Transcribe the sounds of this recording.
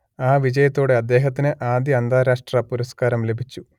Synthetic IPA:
aːʋid͡ʑɐjɐt̪ːo̞ːɽe̞ɐd̪ːe̞ːɦɐt̪ːinɨʔaːd̪jɐɐnd̪aːɾaːʂʈrɐpuɾɐskaːɾɐmle̞bʱit͡ɕːu

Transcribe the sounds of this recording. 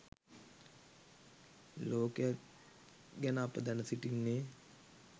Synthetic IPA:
loːkejak | ɡænəapəd̪ɛnəsiʈinːeː

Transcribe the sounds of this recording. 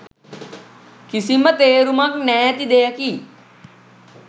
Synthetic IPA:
kisimət̪eːɾumaknɛːjət̪id̪eːjəki

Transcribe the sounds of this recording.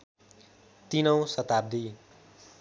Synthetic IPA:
t̪inʌw̃sʌt̪ab̚d̪i

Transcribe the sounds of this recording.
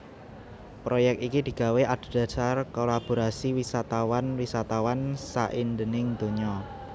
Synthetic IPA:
pɾojɛk̚t̪ikid̪̥i̤ɡ̥a̤weʔad̪̥o̤d̥ä̤sarkolab̥o̤ɾasiwisat̪awanwisat̪awansa̰ʔind̪ənɪŋd̪̥o̤ɲɔ

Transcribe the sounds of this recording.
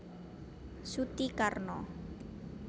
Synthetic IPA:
sut̪ikarnɔ

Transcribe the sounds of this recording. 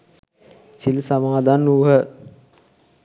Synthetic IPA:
silsamaːd̪anːuːɦə

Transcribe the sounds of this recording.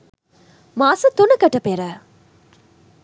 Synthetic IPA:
maːsut̪unɐkɐʈɐpeɾə

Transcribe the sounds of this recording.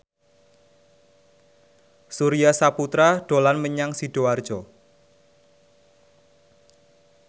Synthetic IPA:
suɾiasaput̪ɾaɖ̥o̤lanməɲaŋsiɖ̥o̤ard̥ʒ̥ɔ

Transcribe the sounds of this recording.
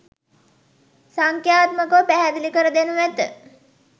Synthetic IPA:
saŋkjaːt̪məkəpæɦæd̪ilikəɾəd̪enuʋæt̪ə

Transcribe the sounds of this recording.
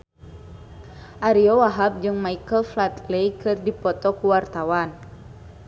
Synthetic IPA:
ʔaɾiɔwaɦab̚d͡ʒɨŋmaikəlflat̪lejkɨrdipɔt̪ɔkuwart̪awan

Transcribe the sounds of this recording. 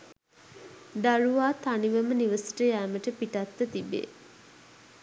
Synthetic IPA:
d̪aruʋaːt̪aniʋəməniʋəsi̥ʈəjæːməʈəpiʈat̪ːət̪ibḛ

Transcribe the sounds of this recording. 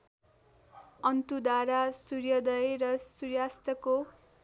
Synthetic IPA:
ʌnt̪ud̪aɾasurjʌd̪ʌjrʌsurjast̪ʌko

